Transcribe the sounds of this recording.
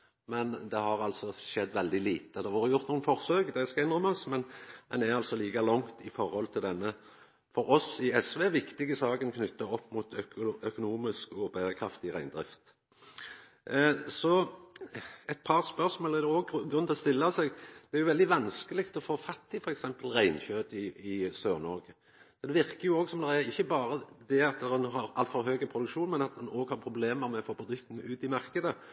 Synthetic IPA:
mɛnd̪ɛhɑɾɑlsɔʃɛd̪ːʋɛld̪ɪliːt̪əd̪ɛʋɑːɾəjʊɾt̪nuːənfɔʁsøːɡd̪ɛskɑɪnʁɔmɔsmɛnd̪ɛnæɾɑlt̪sɔliːkɑlɔŋt̪ɪfɔɾhɔlt̪ʰɪld̪ɛnːə | fɔɾɔsɪɛsʋeʋɪkt̪ɪɡəsɑːɡənkʰnʏt̪ːɑɔpːmut̪ʰœkʊnuːmɪskɔbæɪʁəkʰɾɑft̪ɪʁæɪnd̪ɾɪ̰ft̪ | sɔ | ɛt̪̚pʰɑʁspœʁsmoːləɛd̪ɛɔːɡɡʁʉnt̪ʰɔɔst̪ɪlːɑsɛɡd̪̥ɛæɾjʊʋɛld̪ɪʋɑnskəlɪkt̪ɔfoːfɑt̪ːɪfɔɾɛksɛmpəlʁæɪnçøːd̪əɪɪsøːʁnɔɾɡə | sɔd̪ɛʋɪʁkəɾjʊoːɡsɔmd̪ɛæɾɪçːəbɑːɾəd̪ɛɑt̪ɛnɦɑɾɑlt̪fɔɾɦøːɡəpʰɾʊd̪ʉkʃuːnmɛnɑt̪ʊnoːɡhɑʁpʰɾʊbleːməɾmɛɔfoːpʰɾʊd̪ʉkt̪ənəʉːt̪ɪmɑʁkəd̪ə

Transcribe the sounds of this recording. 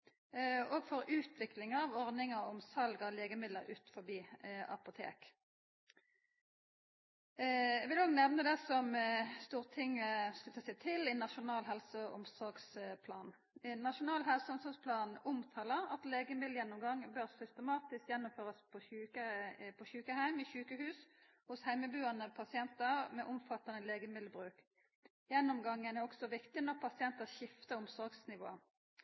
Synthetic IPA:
oːɡfɔɾʉːt̪ʰʋɪklɪŋɑʋɔʁd̪ɪŋəɔmsɑlɡəleːɡəmɪd̪ləʁʉːt̪fɔbiːɑ̰pʊt̪ʰḛːk | ɛʋɪloːɡnɛʋnəd̪ɛsɔmst̪uːʁt̪ʰɪŋːəskʉt̪ːəsɛɪt̪ʰɪlɪnɑʃʊnɑːlɦɛlsəʊmsɔʁɡspʰlɑːn | nɑʂʊnɑːlɦɛlsəʊmsɔɡspʰlɑːnʊmt̪ʰɑːləʁɑt̪leːɡəmɪd̪l̩jɛnːɔmɡɑŋːbœʁsʏst̪ɛmɑːt̪ɪskjɛnːɔmføːʁəspʰɔʉːəpʰɔçʉːkəhæɪmɪçʉːkəhʉːs | hʊshæɪməbʉːɑnəpʰɑsɪɛnt̪əʁmɛʔʊmfɑt̪ːɑnəleːɡəmɪd̪ləbʁʉːk | jɛnːʊmɡɑŋːənɛʁɔɡ̥sɔʋɪkt̪ɪnɔʁpʰɑsɪɛnt̪əʃɪft̪əɾʊmsɔɡsnɪʋo̰ːə

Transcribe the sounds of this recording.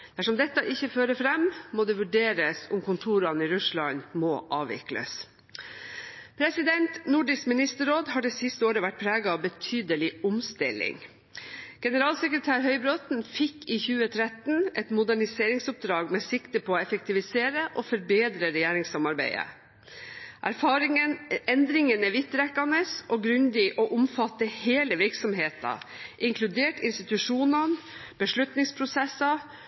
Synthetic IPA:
d̪̥æʂɔmd̪ɛt̪ːəɑʔɪçːəføːɾəfɾɛmmoːd̪ɛʋʉɖeːɾəsʊmkʊnt̪ʰuːɾɑniɾʉʂlɑɲmoːʔɑːʋɪ̰klə̰s | pʰɾɛsɪd̪ɛnt̪nʊɖɪskmɪnɪst̪əɾoːd̪hɑɖɛsɪst̪əoːɾəʋæʈ̚ːpʰɾæːɡɑɑːʋbət̪ʰyːd̪əlɪʊmst̪ɪ̰lɪ̰ŋ | ɡ̥ɛnəɾɑːlsɛkɾət̪ʰæːɾɦœʏbɾɔt̪n̩fɪkːiːçʉːət̪ʰɾɛt̪n̩ɛt̪mʊd̪æɳɪseːɾɪŋsʊp̚d̪ɾɑːɡmeːsɪkt̪əpʰɔoːɛfɛk̚t̪ʰɪʋɪseːɾəʔoːfɔɾbeːd̪ɾəɾɛjeːɾɪŋsɑmɑɾbæ̰ɪə̰ | ʔæɾfɑːɾɪŋəɛnd̪ɾɪŋənɛʋɪt̪ːɾɛkːɑnəsʔoːɡɾʉnd̪ɪʔoːʔʊmfɑt̪ːəheːləʋɪɾksɔmheːt̪ɑ̰ʔɪŋkʰlʉd̪eːʈɪ̰nst̪ɪt̪ʉʂuːnɑn | b̥əʂɭʉt̪nɪŋspʰɾʊsɛsɑ

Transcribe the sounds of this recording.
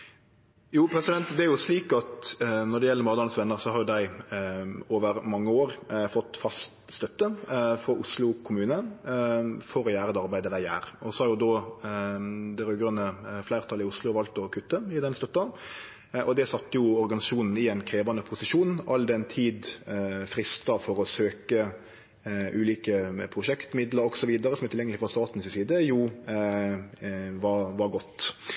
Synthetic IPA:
juːpʰɾɛsɪd̪ɛnt̪d̪ɛæɾjʊsliːkɑt̪nɔɾdɖ̪ɛjɛləɾmɑːd̪ɑɾnsʋɛnːəɾsɔhɑɾjʊd̪æɪ | oːʋəɾmɑŋːəoːɾfɔt̪ːfɑst̪st̪œt̪ːəfɾɔʔʊslʊkʰʊmʉːnə | fɔɾɔjæːɾəd̪ɛɑɾbæɪd̪əd̪æɪæ̰ːɾɔsɔhɑɾjʊd̪ɔ | d̪ɛɾøːɡɾənəflæɪɾt̪ʰɑlɪʊslʊʋɑlt̪ɔkʰʉt̪ːəɪd̪ɛnst̪œt̪ːɑn | ʔɔd̪ɛsɑt̪ːəjʊɔɾɡɑnɪsɑʂuːnn̩ɪɛɪnkʰɾeːʋɑnəpʰʊsɪʃuːnn̩ʔɑld̪ɛnt̪ʰiːd̪fɾɪst̪ɑfɔɾɔsøːkə | ʔʉːliːkəpʰɾʊʂɛkt̪mɪd̪ləɾɔɡsɔʋiːd̪ɑɾəsɔmɛɾt̪ʰɪljɛŋəlɪfɔɾst̪ɑːt̪n̩sɪsiːd̪əju | ʋɑʋɑɾɡɔt̪ː

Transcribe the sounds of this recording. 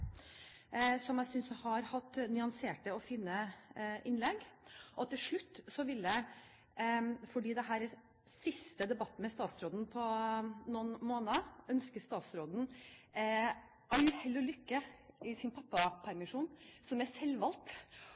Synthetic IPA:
sɔmjæɪsʏnshɑɾhɑt̪ːnʏɑnseːʈəɔfɪnːəʔɪnlɛɡʔɔt̪ʰːɪlʂɭʉt̪ːsɔʋɪlːə | fɔɖiːd̪ɛɦæːɾ | sɪst̪əd̪ɛbɑt̪ːəmɛst̪ɑːt̪sɾoːd̪n̩pʰɔnunmoːnəʔœnskəst̪ɑːt̪sɾoːd̪n̩ | ʔɑlːəhɛlːəlʏkːəɪsɪnpʰɑpːɑpʰæɾmɪʂuːnsɔmæsɛlːʋɑlt̪

